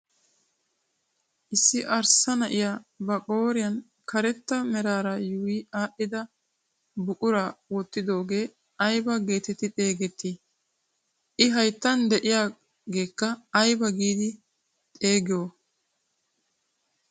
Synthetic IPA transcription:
ʔɪsːɪʔɐɾsɐnɐʔɪjaːbɐkʼo̞ːɾɪjɐn | kʰɐɾɛt̪ːɐmɛɾaːɾɐjuːwɪaːʔɪd̪ɐ | bʊkʼʊɾawɔt̪ːɪd̪o̞ːɡe̞ː | ɐjbɐɡe̞ːt̪ɛt̪ːɪt̪ʼe̞ːɡɛt̪ːɪ | ʔɪɦɐjt̪ːɐnd̪ɛʔɪjaː | ɡe̞ːkːɐːjbɐɡiːd̪ɪ | t̪ʼe̞ːɡɪjo

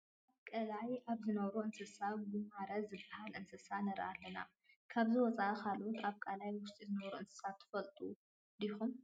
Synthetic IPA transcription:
ʔaβkʼɐlajʔaβzɨnɐβɾuʔɨnsɨsaɡumaɾɐzɨbːahalʔɨnsɨsanɐɾʔa̰lːɐna̰ | kʰaβzɨwɔt͡sʼaʔkʰalot̪ʰaβkʼalajwʊst̪ʼizɨnɐβɾuɨnsɨ̥sat̪ʰːɨ̥fɐlt̪ʼu | d̪ixum

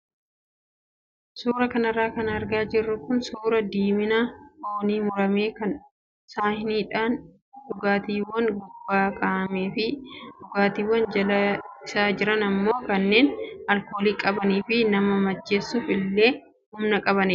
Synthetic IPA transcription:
suːɾɐkɐnɐrːaːkɐnɐɾɡaːd͡ʒɪrːʊkʊnsuːɾɐd̪iːmɪnaoːniːmʊɾɐmeːkɐn | saːhɪniːᶑaːn | ᶑʊɡaːt̪iːwːɐnɡʊb̥ːaːkʼaːmeːfɪʊɡaːt̪iːwːɐnd͡ʒɐlɐɪsaːd͡ʒɪɾɐnɐmːo̞ːkɐnːe̞ːnɐlko̞ːliːkʼɐbɐniːfɪnɐmɐmɐd͡ʒːe̞ːsːʊfɪlːe̞ː | hʊmnɐkʼɐβɐnɪ

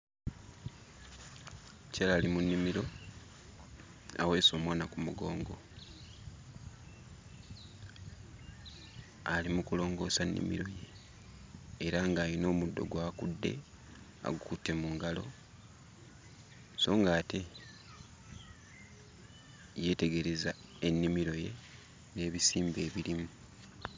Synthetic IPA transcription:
calalimunːimiɾo̞ | a̰we̞ːso̞ːmwaːnakumuɡo̞ːŋɡo̞̰ | alimukulo̞ːŋɡo̞ːsanːḭmḭɾo̞je̞ | ɾaŋɡaːlino̞ːmudːo̞̰ɡwaːkudːe̞̰ | a̰ɡukutːe̞muːŋɡalo̞̰ | so̞ːŋɡaːte̞ | je̞ːte̞ɡe̞ɾe̞za | e̞nːimiɾo̞je̞̰ | ne̞ːβisiːmbe̞ːβilimu

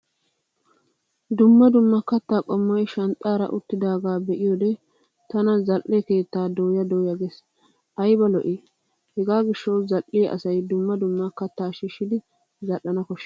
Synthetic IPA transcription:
d̪ʊmːɐd̪ʊmːɐkɐt̪ːaːkʼɔmːɐjʃɐnt̪ʼːaːɾɐ̰ʔʊt̪ːɪd̪aːɡaːbɛʔɪjɔd̪ɛ | t̪ɐnɐzɐlʔːeke̞ːt̪ːaːd̪oːjɐd̪oːjɐɡes | ʔɐjbɐlɔʔi | hɛɡaːɡɪʃːɐwzɐlʔːɪʔɐ̰sɐjd̪ʊmːɐd̪ʊmːɐkɐt̪ːaːʃiʃːɪd̪ɪ | zɐlʔːɐnɐkɔʃː

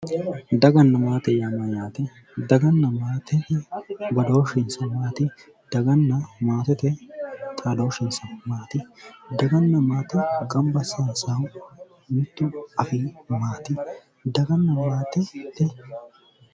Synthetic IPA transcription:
d̪ɐɡɐnːɐmaːt̪ɛjamɐjaːt̪ɛ | d̪ɐɡɐnːɐmaːt̪ɛ | bɐd̪oːʃɛnsɐnmaːt̪ɪ | d̪̥ɐɡɐnːɐmaːt̪ɛt̪ɛt̪ʼaːd̪oːʃɛnsɐnmaːt̪ɪd̪ɐɡɐnːɐmaːt̪ɛkʼɐmbɐsaːnsa | mɪt̪ːʊɐfiːmaːt̪ɪ | d̪ɐɡɐnːɐmaːt̪ɛt̪ːɛ

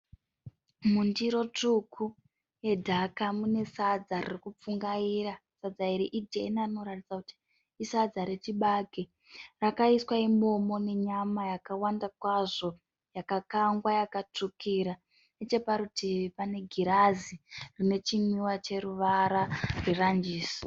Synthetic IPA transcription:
mundiɾo̞tukʰu | je̞dʱakamune̞sad͡zaririkup͡fuŋɡaiɾasad͡zaiɾiʔid͡ʒḛnarino̞ɾatid͡zakuti̥ː | sad͡zaɾetiɓaɡʱe | rakaiswaimo̞mo̞ne̞ɲamajakawandakwaʐo̞ | jakakaŋɡwajakatukiɾa | net͡ʃe̞paɾutipane̞ɡʱiɾazirine̞t͡ʃimiwat͡ʃe̞ɾuʋaɾarwerand͡ʒiːso̥

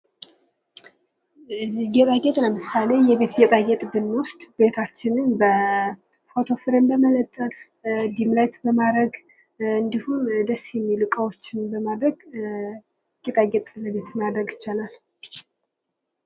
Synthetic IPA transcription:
ɡɛt̪ʼaɡɛt̪ʼləmɨsale̞jɛβe̞t̪ɡɛt̪ʼaɡɛt̪ʼbɨnwʊst̪ʼb̥e̞t̪ʰat͡ʃːɪnɨnbə | fot̪ʰo̞fɨɾɨnbəmələt̪ʼːəfd̪imlajt̪bəmad̪ɾəɡ | ɨnd̪ihund̪əsjɛmːilɨkʼawot͡ʃːɪnbəmad̪ɾəɡ | ɡɛt̪ʼaɡɛt̪ʼləβe̞t̪mad̪ɾəɡɪt͡ʃːalal

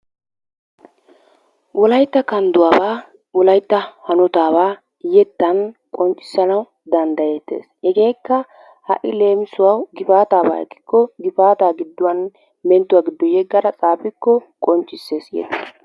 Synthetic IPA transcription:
wɔlɐjt̪ːɐkɐnd̪ʊwaːbaː | wɔlɐjt̪ːɐhɐnɔt̪aːbaː | jɛt̪ːɐnkʼɔnt͡ʃʼːɪ̥sːɐnɐw | d̪ɐnd̪ɐjɛt̪ːḛːshɛɡe̞ːkːɐ | hɐ̰ʔɪle̞ːmɪsʊwɐwɡɪfaːt̪aːba̰ːɛ̰kːɪ̥kːɔɡɪfaːt̪aːɡɪd̪ːʊwɐn | mɛnt̪ːʊwaːɡɪd̪ːɔjɛɡːɐɾɐt͡sʼaːpɪkːɔkʼɔnt͡ʃʼːɪsːe̞ːsjɛ̰t̪ːɪ

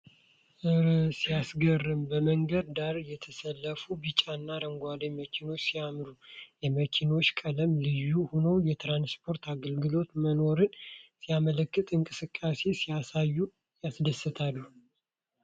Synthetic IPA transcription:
ʔɨɾsijasɡərːɨmbəməŋɡəd̪̚d̪aɾjɛt̪ʰəsəlːəfubɨt͡ʃʼanːaɾəŋɡʷaleməkʰino̞t͡ʃːsijamɾujɛməkʰino̞t͡ʃːkʼələmlɨjːuhonowjɛt̪ɾanspʰo̞ɾt̪ʰaɡəlɡɨlo̞t̪məno̞ɾɨnsijamələkːɨt̪ʼɨŋkʼɨsɨkʼːase̞sijasajːu | jasd̪əsːɨt̪ʰalːuh

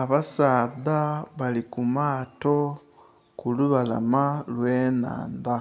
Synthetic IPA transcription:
aβasaːðaβalikumaːto̞ | kuluβala̰malweːna̰ːnda

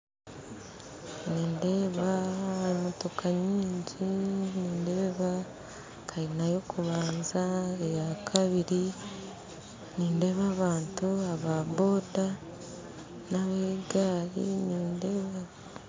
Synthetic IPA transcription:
niːnde̞ːβaemoto̞kʰaɲiːɲɟiniːnde̞ːβa | kʰainajo̞kʰuβaːnzaejakʰaβiɾi | niːnde̞βaːβaːntuaβaβo̞ːda | naβeɡaːɾḭniːnde̞ːβa

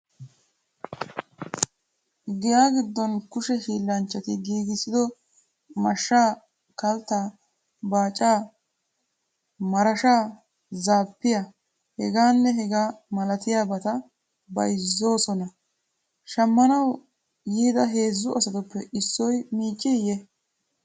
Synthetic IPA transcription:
ɡɪjaːɡɪd̪ːɔnkʊʃɛhiːlːɐnt͡ʃːɐt̪ɪɡiːɡɪsɪd̪ɔ | mɐʃːaː | kɐlt̪ːa | baːt͡ʃʼːaː | mɐɾɐʃaː | zaːpːɪja | hɛɡaːnːɛɦɛɡaːmɐlɐt̪ɪjaːbɐt̪ɐ | bɐ̰jzːo̞ːsɔnɐ | ʃɐmːɐnɐw | jiːd̪ɐɦe̞ːzːʊʔɐsɐt̪ɔpːɛʔɪsːɔjmiːt͡ʃʼːɪjɛ

